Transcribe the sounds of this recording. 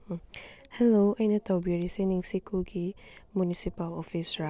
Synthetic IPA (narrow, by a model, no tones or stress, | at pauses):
hɛloʔɛ̃nətabiɹisɛnĩŋsikuɡimunisipalɔfisɹa